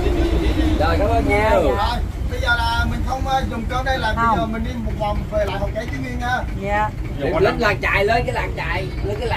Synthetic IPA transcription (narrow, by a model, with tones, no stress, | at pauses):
ɗə˧˨˩jkaː˨˦məː˧˩ɲa˧əː˨˩j | ɓə˧jzəː˨˩laː˨˩mï˨˩ŋ̟xə˧wŋ͡mʔəː˧zʊ˨˩ŋ͡mkəː˧˦ɗə˧jlaː˨˩ɓə˧zəː˨˩mï˨˩ŋ̟ɗi˧mo˨˩t̚va˨˩wŋ͡mve˨˩la̰ː˧˨˩jɦɔ˨˩kə˨˦jt͡ɕɨ˨˦ŋwi˧˩əŋɲaː˧ | mo˨˩lə˦˥t̚laː˨˩ŋ̚t͡ɕa̰ː˧˨˩jləː˧nkaː˨˦jlaː˨˩ŋ̚t͡ɕaː˧˨˩j | nəː˨˦kaː˨˦lː